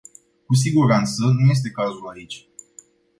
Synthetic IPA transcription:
kus̬iɡuɾant̪sənuje̞s̬t̪e̞kazulait͡ʃʲ

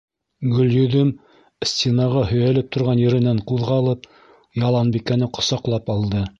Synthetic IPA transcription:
ɡɵ̆ljɵ̆ðɵm | sʲt̪ʲenɑʁɑhɵ̆jælɘp̚t̪ŏɾʁɑnjɘ̆ɾɘ̆næɴquðʁɑlˠɤp | jɑlˠɑnbikænɘqŏsɑqlˠɑpɑlˠd̪ɤ

